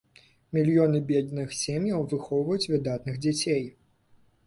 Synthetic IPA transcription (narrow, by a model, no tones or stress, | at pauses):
mʲilʲjɔnɨbʲɛd̪nɨxsʲemʲjɐwvɨxɔwvɐjut͡sʲvɨd̪at̪nɨxd͡zʲat͡sʲej